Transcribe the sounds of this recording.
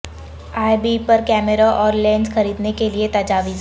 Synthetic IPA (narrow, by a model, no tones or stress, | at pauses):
aːjbipɐɾkɛːmeɾaʔɔːɾlɛ̃ːnsxɐɾiːd̪nekeliet̪ɐd͡ʒaːʋiz